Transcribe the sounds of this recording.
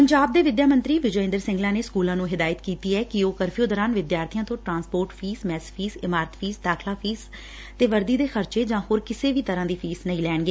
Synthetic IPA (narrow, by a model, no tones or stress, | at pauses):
pəɲd͡ʒaːb̚d̪eːʋɪd̪jaːmə̃nt̪ɾiːʋɪd͡ʒɪ̃nd̪əɾsɪ̃ŋɡlaːneːskuːlãːnũːɦɪd̪aːjət̪kiːt̪iːɛːkɪoːkəɾpʰijõːd̪ɔːɾaːnʋɪd̪jaːɾt̪ʰijãːt̪õːʈɾãːnspoːɾʈpʰiːsmɛːspʰiːsɪmaːɾət̪pʰiːsd̪aːkʰlaːpʰiːz | t̪eːʋəɾd̪iːd̪eːxəɾt͡ʃeːd͡ʒãːhoːɾkɪseːʋiːt̪əɾãːd̪iːpʰiːsnəĩːlɛːɳɡeː